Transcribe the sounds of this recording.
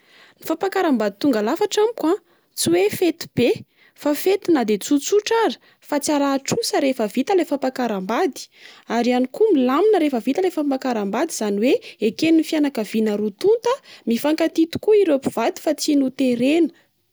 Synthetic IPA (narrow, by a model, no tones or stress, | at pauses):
nifampakaɾambad̪it̪uŋɡalafaʈ͡ʂamkwa | t͡siwefet̪u̥b̥e | fafet̪unad̪et͡sut͡suʈ͡ʂaɾə̥ | fat͡saɾaʈ͡ʂusəɾefəvit̪alefapakaɾambad̪i̥aɾianikumilaminəɾefəvit̪alefapakaɾambad̪izaniweekeninfjanakəv̥inəɾut̪unt̪əmifaŋkat̪it̪u̥kuiɾewpiv̥ad̪i̥fat͡sinut̪eɾenə̥